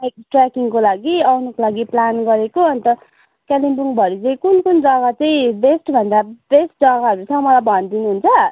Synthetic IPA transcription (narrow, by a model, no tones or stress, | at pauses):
ekʈrakiŋkolaɡiʌwnʌkolaɡiplanɡʌɾekoʌnt̪ʌ | kalinbuŋbʱʌɾit͡sʌ̃ĩkunkund͡zʌɡat͡sʌĩbesʈbʱʌnd̪abesʈ̚d͡zʌɡaɦʌɾut͡sʰʌ̃mʌlajbʱʌnd̪inuɦunt͡sʰʌ